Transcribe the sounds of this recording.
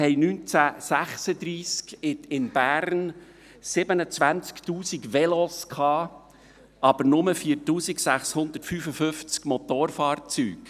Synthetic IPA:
hɛɪjnyːnt͡sæsæχsəd̪ɾiːskɪt̪ɪnb̥æːɾn | sɪbənət͡sʋænt͡skt̪uːsiɡʋɛlɔskʰhɑː | ɑb̥əɾnʊməfiːɾtuːsiksæχshʊnd̪ətfyːfəfɵft͡skmɔt̪oːrfɑːɾt͡syːk

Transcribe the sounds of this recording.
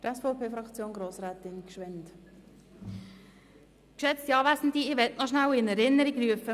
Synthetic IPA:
tɛsfɔʊpʰeːfɾɑkt͡sjoːnɡɾoːsɾɛːt̪ɪnkʃʋɛnt | kʃɛt͡stiɑːvæzn̩diɪʋɛtnɔʃnawɪnɛɾɪnːəɾiɡryəfə

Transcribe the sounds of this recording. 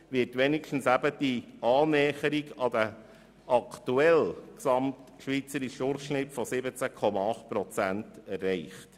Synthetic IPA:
ʋɪːɾtʋɛnikʃtn̩sæbəd̥iɑːnɛːχəɾiɡɑd̥ə | ʔɑktuɛlksɑmt | ʃʋit͡səɾiʃʊrχʃnɪpfɔsɪbət͡sækʰɔmɑɑχt̚pɾɔt͡sæntɛrːɛɪχt

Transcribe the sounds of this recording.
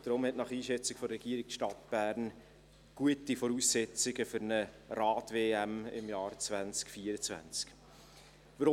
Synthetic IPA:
d̥ɾʊmhɛtnɑχiːʃɛt͡sɪkfɔɾɛɡ̥iːəɾik̚ʃtɑtb̥æːɾn | ɡ̥uətifɔɾuːsːɛt͡sɪɡəfʏɾnə | ɾɑːtveːæmɪ̰mjɑːɾt͡svænt͡skfiːəɾət͡svæ̰nt͡sk | vəɾʊ

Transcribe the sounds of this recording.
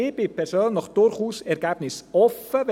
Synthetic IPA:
ebɪpʰɛrsoːnːɔχd̥ʊɾχuːsɛɾɡabnɪsɔfəv

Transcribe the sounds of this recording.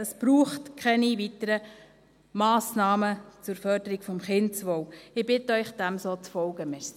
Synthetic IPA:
əsb̥ɾuːχtkʰχɛniʋitəɾə | mɑːsnɑːmət͡sʊɾfœɾdəɾiɡ̥fɔmχɪntt͡sʋɔwɪbɪtəœʏχd̥æmsoːt͡sfɔlɡ̥əmɛs

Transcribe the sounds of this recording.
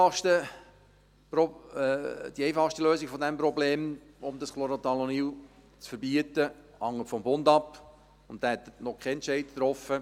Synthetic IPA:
ɑʃtə | pɾɔ | d̥iɛjfɑʃtəløːsɪɡfɔd̪ɛmpɾɔbleːm | ʊmd̪ɑsklɔɾot̪ɑloniw | t͡sfəɾbiət̪ə | hɑŋːətfɔmbʊnd̪ɑp | ʊnt̪̚dæːɛt̪ːnɔkʰɛɛnt͡ʃɛɪdt̪ɾɔfə

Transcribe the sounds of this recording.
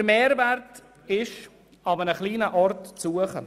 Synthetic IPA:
əɾmeːɾvæɾt | ɪʃ | ɑbənəχliːnəʔɔrtt͡suːəχə̰

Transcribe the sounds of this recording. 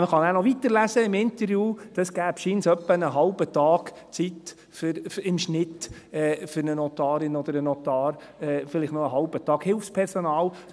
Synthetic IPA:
məχɑnæːnɔʋit̪əɾlæsəɪmɪnt̪əɾjuːd̥ɑsɡ̥æːbʃiːnsœpːənəɦɑlbət̪ɑːɡ | t͡sit̪ | fʏɾɪmʃnɪt̪ | ɛːfʏɾnənɔt̪ɑːɾɪnɔd̪əɾənɔt̪ɑːɾ | ɛːfɪlɪχtnoəɦɑlbət̪ɑːɡhɪlfspʰɛɾsɔnɑːl

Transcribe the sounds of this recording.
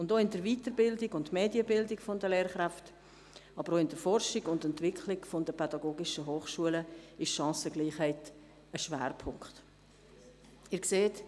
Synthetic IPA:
ʊndoːɪndəɾviːtəɾbɪldɪɡʊntmeːdjəbɪldɪkfɔndəleːɾχɾæft | ɑbəɾoɪnd̥əɾfɔrʃɪɡʊndɛntvɪkʰχlɪkfɔndəpʰɛdɑɡoːɡɪʃəɦoːχʃuələɪʃʃɑ̃ːsəɡliːχhɛɪt | əʃʋæ̰ːɾpʰʊŋkχt | ɪɾkseːt

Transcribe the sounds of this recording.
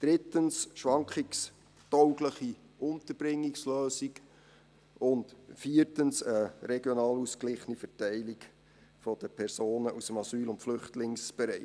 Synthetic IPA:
d̥ɾɪtənsʃʋɑŋkχiks | tɔʊɡləχi | ʔʊntəɾb̥ɾɪŋːiksløːsik | ʊntfiːətənsəɾɛɡjɔnɑːlusklɪχənifɛɾtɛɪlik | fɔd̥əpʰɛɾsoːnəʔusəmɑsyːlʊntflʏχtlɪŋsb̥ɛɾɛɪ

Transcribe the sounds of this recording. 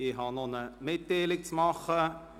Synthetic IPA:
ɪɦɑnonəmɪt̚deːlɪk̚t͡smɑχə

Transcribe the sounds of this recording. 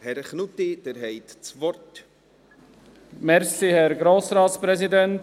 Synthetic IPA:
hɛɾχnut̪id̪̥ɛɾɦɛjt̪t͡svɔɾt | mɛɾsihɛɾɡɾoːsɾɑːtspɾɛzidɛnt

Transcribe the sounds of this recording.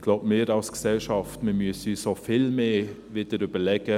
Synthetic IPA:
ɡ̥laʊbmeːɾɑlsɡ̥ə̥sɛlʃɑft̪məmysysɔfɪlmeː | ʋɪːd̪əɾyːbəlɛɡə

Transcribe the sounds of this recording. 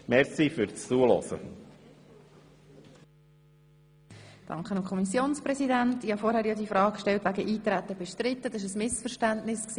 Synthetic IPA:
mɛɾsifʏɾt͡st͡suəlɔ̰sə̰ | d̥ɑ̰ŋkχənɑmkʰɔmisjoːnsprɛsidæntihɑfɔɾhæːɾjɑd̪ifɾɑːkkʃtɛltʋæɡəʔiːt̪ɾæt̪əb̥ɛʃtɾɪt̪ːədɪʃ̬əsmɪsfəɾʃtæntnɪsksiː

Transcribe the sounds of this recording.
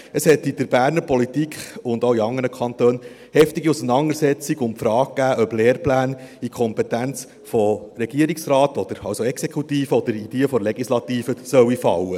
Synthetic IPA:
əshɛt̪id̥̪əɾbæːɾnəɾpɔlitikχʊnd̪oʊiɑŋːənəkʰχɑnt̪øːn | hɛftiɡiusənɑndəɾsɛt͡siɡʊmfɾɑːk̚ɡ̥æːʔœb̥leːɾplæːnikʰɔmpɛt̪ænt͡s | fɔɾɛɡ̥iːəɾiksɾɑːt̪ɔd̥̪əɾɑwsoɛksekʰut̪iːfəɔd̥̪əɾid̥eːəfɔleɡislɑt̪iːfəsœwifɑ̰wə

